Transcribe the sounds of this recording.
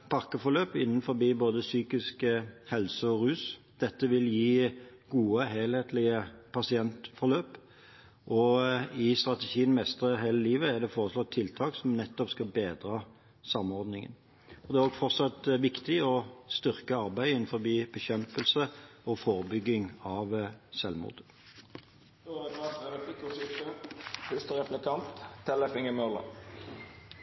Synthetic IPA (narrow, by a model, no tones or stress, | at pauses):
pʰɑʁkəfɔʁløːpɪnːənfɔbiːboːd̪əsyːkɪskəhɛlsəɔʁʉːs | d̪̥ɛt̪ːəʋɪljiːɡ̥uːəɦeːlheːt̪lɪəpʰɑsɪɛnt̪fɔʁløːp | ʔɔɪst̪ʁɑt̪əʃiːənmɛst̪ʁəɦeːləliːʋəæd̪ɛfoːʁəslɔt̪ʰːɪlt̪ʰɑːksɔmnɛt̪ːɔpskɑbeːd̪ɾɑ | sɑmɔɾd̪nɪŋə̰n | ɔd̪ɛæʁoːɡfɔʁsɑt̪ʋɪkt̪ɪɔst̪ʏʁkəɑʁbæɪɪn̩fɔʁbiːbɛɕɛmpəlsəɔfoːʁəbʏɡːɪŋɑʋsɛlmṵːʁd̪ | d̪oɛɡɑt̪ɛɾəflɪkʊsɪt̪əhɪst̪əʁɛplɪkʰɑnt̪ʰːɛləfɪŋəmølə̰